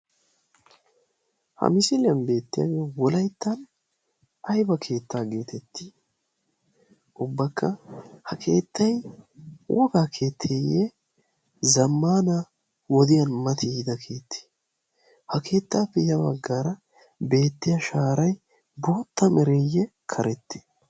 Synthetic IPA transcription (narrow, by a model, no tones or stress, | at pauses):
hɐ̰mɪsɪlɪjɐnbe̞ːt̪ːɪjɐ̰ɡɛwɔlɐjt̪ːɐn | ɐjbɐkʰe̞ːt̪ːaːɡe̞ːt̪ʰɛt̪ːi̥ | ʔʊbːɐkːɐhɐkʰe̞ːt̪ːɐj | wʔɔ̰ɡaːkʰe̞ːt̪ʰːeːje | zɐmːaːna | wɔd̪ɪjɐnmɐt̪ʰɪɪd̪ɐkʰe̞ːt̪ʰːe̥ | hɐkʰe̞ːt̪ːaːpːɛjɐbɐɡːaɾɐ | be̞ːt̪ːɪjɐʃaːɾɐj | bo̞ːt̪ːɐmɛɾɛjɛ | kʰɐɾɛt̪ʰːe̥